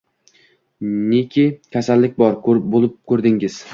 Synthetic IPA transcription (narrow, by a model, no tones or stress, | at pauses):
nekʲʰikʲʰasalːɪk̚ʲbɒɾkbolˠɪp̚kʰɵɾd̪ɪŋɪz̥